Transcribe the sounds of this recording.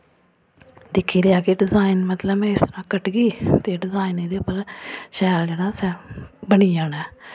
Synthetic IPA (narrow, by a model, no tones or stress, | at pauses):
d̪ɪkʰːiːlɪjaːkeɖɪzaːɪnmət̪ləbɛ̃ːɪst̪əɾãːkəʈɡiːt̪eːɖɪzaːined̪eːpəlʃɛːld͡ʒeːɽaːsɛːbəniːaːnɛː